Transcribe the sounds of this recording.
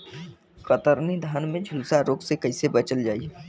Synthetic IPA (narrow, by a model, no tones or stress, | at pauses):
kət̪əɾnid̪ʱaːnmẽd͡ʒʱulsaɾoːksekɐɪsebɐt͡ʃəld͡ʒaːie